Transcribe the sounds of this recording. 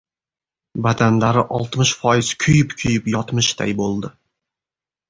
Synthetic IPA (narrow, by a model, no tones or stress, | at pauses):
bad̪anlaɾɪʔɒlˠt̪mɪʃfɒjɪz̥kʲʰʊjɪpkʲʰʊjɪpjɒt̪mɪʃd̪a̰jbolˠd̪ɪ